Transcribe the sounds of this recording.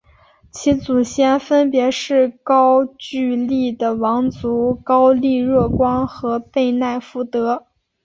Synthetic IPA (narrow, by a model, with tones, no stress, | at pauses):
t͡ɕʰi˧˥t͡su˨˩ɕjɛ˥˩nfə˥npjɛ˧˥ʂɻ̩˥˩kɑ˥ʊt͡ɕy˥˧li˥˩d̪ə˩wɑ˧˥ŋt͡su˧˥kɑ˥ʊli˥˧ɻɤ˥˩kwɑ˥ŋxɤ˧˥pe˥˧ɪna˥˩ɪfu˥˩t̪ɤ˧˥